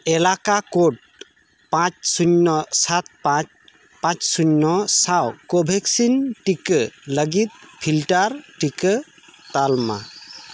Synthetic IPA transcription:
elakakoʈ̚ | pãt͡ʃsuɲːɔsat̪̚pãt͡ʃ | pãt͡ʃsuɲːɔsawkobʱeksinʈikələɡit̪̚pʰilʈaɾʈikə | t̪alma̰

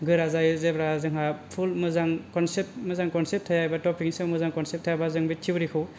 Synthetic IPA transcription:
ɡɯɾazajzebɾazɯŋɦapʰulmɯzaŋkɔnseptmɯzaŋkɔnsep̚tʰajajbatɔpiŋsɯwmɯzaŋkɔnsep̚tʰajabazɯŋbitʰibɾikʰɯw

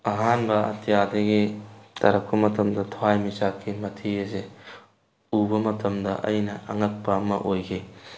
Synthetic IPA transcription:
ɐɦanbɐɐ̰tʰijadɐɡitʰɐɾɐk̚pɐmɐtʰɐmdɐtʰoajmisakʰːimɐtʰiɐze | ubɐmɐtʰɐmdɐʔɐ̰jnɐɐŋɐk̚pɐːmɐ̰ʔojkʰi

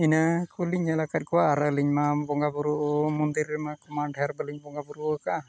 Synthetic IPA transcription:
inakʰuliɲalakat̚kɔwaʔːɾaliɲmabɔŋɡabuɾuʔmɔnd̪iɾːɛmakɔmaɖaɾbəliɲbɔŋɡabuɾukaʔ

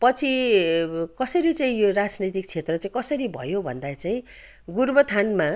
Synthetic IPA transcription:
pʌt͡sʰi | kʌsʌɾit͡saĩjorad͡znit̪ik̚t͡sʰet̪rʌt͡saĩkʌsʌɾibʱʌ̰jobʱʌ̰nd̪at͡saĩ | ɡurbʌt̪ʰanma

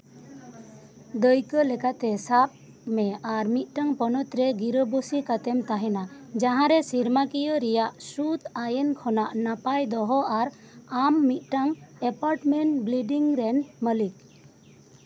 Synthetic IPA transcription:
d̪əjkəlɛkat̪ɛsap̚ | mɛaɾmit̪̚ˀʈaŋpɔnɔt̪ɾɛɡiɾəbosikat̪ɛmt̪aɦɛna | d͡ʒaɦãɾɛsiɾmakijəɾɛjaʔsut̪ajenkʰɔnaʔnapajd̪ɔɦɔaɾ | amːit̪̚ˀʈaŋɛpaɾʈmɛɳʈbliɖiŋɾɛnməlik̚

